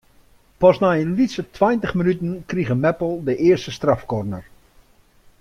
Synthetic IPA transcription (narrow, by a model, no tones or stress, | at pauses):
pɔsnaənlitsətʰwajntəχmənytənkriɣəmɛpəl̩ˠdəʔɪərstəstrafkɔrnə̰r